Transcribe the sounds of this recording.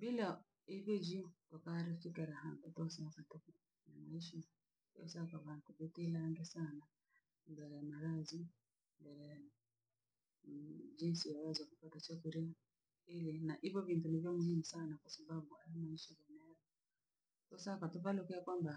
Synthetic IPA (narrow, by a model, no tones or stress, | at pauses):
bila | ivjɔd͡ʒitwakaɾifikɛɾahaŋɡatɔsakatuku | namaiʃi | tɔ̰sakaβaakubitilaŋɡɛsana | mbɛɾɛjamaɾazi | mbɛɾɛja | d͡ʒinsijawazwakupatat͡ʃakuɾia | ilinaʔivjɔvintunivjɔmuhimusanakwasababuajamaiʃiɡanaɔ | tɔsakatuβalukɛakwamba